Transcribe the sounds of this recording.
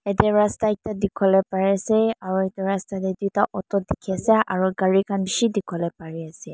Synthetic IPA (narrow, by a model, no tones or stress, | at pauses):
ɛdɛɹastaɛk̚tadikʰɔlɛpaɹiasɛaɹuɛtuɹastadɛdutaʔɔtɔdikʰiasɛʔaɹuɡaɹikʰanbisidikʰɔlɛpaɹiasɛ